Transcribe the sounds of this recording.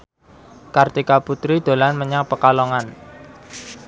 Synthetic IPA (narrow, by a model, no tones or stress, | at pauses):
kart̪ikaput̪ɾid̪̥o̤lanməɲaŋpəkalɔŋan